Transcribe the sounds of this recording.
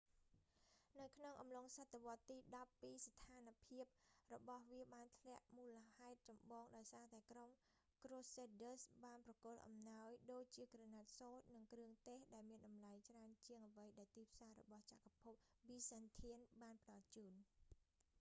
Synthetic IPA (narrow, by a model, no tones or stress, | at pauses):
nɨwkʰnoŋʔɑmloŋsat̪ːeʋŏət̪ːiːɗɑpːiːst̪ʰaːnpʰiəp̚rɔɓɑhʋiəɓaːnt̪ʰlɛ̆əʔmuːləhaɛt̪̚t͡ɕɑmɓɑːŋɗaɔjsaːt̪aɛkrom | kroːseːɗəsɓaːnprɑkŭəlʔɑ̰mnaɔjɗoːc̚t͡ɕiəkranat̪̚soːt̪̚nɨŋkrɨəŋt̪eːhɗaɛlmiənɗɑmlajt͡ɕraənt͡ɕiəŋʔəʋəjɗaɛlt̪iːpʰsaːɾɔ̰ɓɑht͡ɕaʔkapʰup̚ | ʋiːsent̪ʰiənɓaːnpə̆ɗɑlt͡ɕuːn